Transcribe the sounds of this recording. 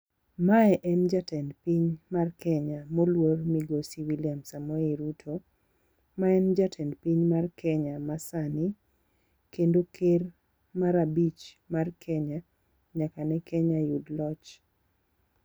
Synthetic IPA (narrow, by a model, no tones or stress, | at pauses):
maɛʔɛnd͡ʒatɛndpiɲmarkɛɲamolwormiɡosiwiliamsamoiɾutʰo | maɛnd͡ʒatʰɛndpiɲmarkʰɛɲamasani | kendokʰer | maɾabit͡ʃ | markʰɛɲa | ɲakanɛkʰɛɲajudlɔt͡ʃ